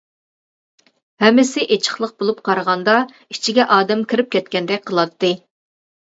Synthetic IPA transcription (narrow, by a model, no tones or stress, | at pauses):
hɛmːɪsɪʔet͡ʃʰə̥χlˠəq̚bolˠup̚qʰɑɾəʁɑnd̪ɑ | i̥t͡ʃʰiɡʲɛʔɑːd̪ɛmkʲʰiɾɪp̚kʲʰɛt̪kʲɛnd̪ɛkʲqʰəlˠɑt̪ːɨ